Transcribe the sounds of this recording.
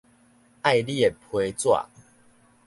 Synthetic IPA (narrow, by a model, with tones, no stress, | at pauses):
ʔa˥˧jli˦e˨˩pʰwe˧˦t͡swa̰˨